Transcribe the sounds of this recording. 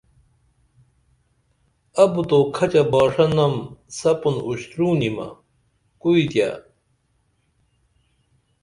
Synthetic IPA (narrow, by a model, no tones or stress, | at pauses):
ɐbut̪okʰɐt͡ɕɐbaːʂɐnɐmsɐpunuɕt̪ɾuːnimɐ̰ | kuit̪ja̰